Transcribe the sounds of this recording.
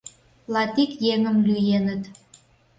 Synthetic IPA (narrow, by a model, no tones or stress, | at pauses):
lɑt̪ikjeŋəmlyjenət̪